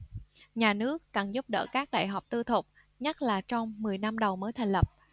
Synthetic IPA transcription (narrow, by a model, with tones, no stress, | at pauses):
ɲaː˨˩nɨ˦˥əkːa˨˩nzʊ˦˥p̚ɗə̰ː˧˩kaː˦˥k̚ɗa̰ː˧˨jɦɔ˨˩wk͡p̚t̪ɨ˧t̪ʰʊ˨˩k͡p̚ | ɲa˦˥t̚laː˨˩t͡ɕɔ˧wŋ͡mmɨ˨˩əjna˧mɗə˨˩wməː˨˦jt̪ʰa˨˩ŋ̟lə˨˩p̚